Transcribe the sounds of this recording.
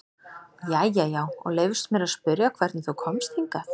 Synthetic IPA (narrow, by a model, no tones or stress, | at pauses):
jajːajaːwɔ̰ɣleːjvʏst̪mjɛɾaðspʏɾjakʰvɛɾ̥t̪nɪθukʰɔmst̪hiŋkaθ